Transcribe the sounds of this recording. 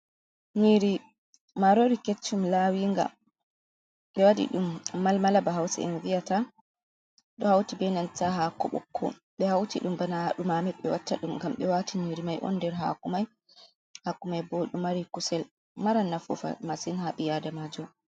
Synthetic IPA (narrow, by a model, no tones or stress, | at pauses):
ɲiːɾi | maɾoɾiket͡ʃːumlawiːŋɡa̰ | ɓɛwadḭɗumːalmalabaɦawsɛ̰ɛnvijata | ɗɔhawtibɛnantaɦakɔ̰ɓɔ̰kʰːɔ̰ | ɓɛhawtiɗumbanaɗumamɛɓɛwatːaɗumŋɡamɓɛwatiɲiɾimajʔɔ̰ndɛɾɦa̰kumaj | hakumajbɔɗumaɾikusɛl | maɾanːafṵfa̰masinhaɓijadamad͡ʒɔ